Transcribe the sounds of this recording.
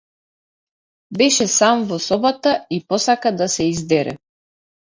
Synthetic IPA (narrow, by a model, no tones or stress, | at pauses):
bɛʃɛsamvɔsɔbat̪aipɔsakad̪asɛizd̪ɛɾɛ̰